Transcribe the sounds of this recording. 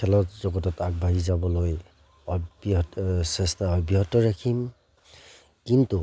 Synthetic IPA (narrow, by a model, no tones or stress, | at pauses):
kʰɛlɔtzɔɡɔtɔtak̚bʱaɦizabɔloj | ɔbsestaɔbiɦɔtɔɹakʰim | kintu